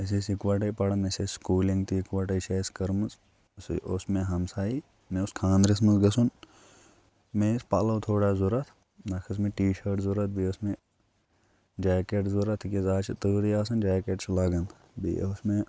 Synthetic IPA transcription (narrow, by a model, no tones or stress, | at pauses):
ɐs̬esikʋaːʈ̬ɐjpɐɽɐnɐsʲesskuːliŋɡt̪ʰiːkʋaːʈɐt͡ʃʰɐːskɐɾmɐz | sosmẽɦɐmsaːi | mẽʊskʰãːnɾis̬mɐsɡɐsun | mespaːlɐːt̪ʰoːɽaːzuɾɐt̪ʰ | nɐkʰɐs̬mẽʈiːʃɐɾʈzuɾɐt̪̚ʰbiosmẽ | d͡ʒaːkeʈzuɾɐt̪ʰkezaːt͡ʃʰit̪əːɾiaːsɐnd͡ʒaːkeʈslaːɡɐn | bḭosmẽ